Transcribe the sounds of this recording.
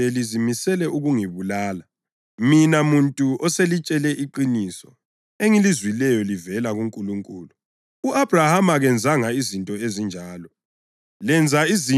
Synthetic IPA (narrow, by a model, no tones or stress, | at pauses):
elizimisɛlɛuɣuŋiβulaːla | minamuntʼuɔselit͡ʃʼɛlɛʔiǃinisɔ | eŋilizwilɛjɔlivɛlaɣuŋkʼuluŋkʼuːlu | uʔab̥rahamaɣɛnd͡zʱaŋaizintʼɔezind͡ʒʱaːlɔ | lɛnd͡zʱaizi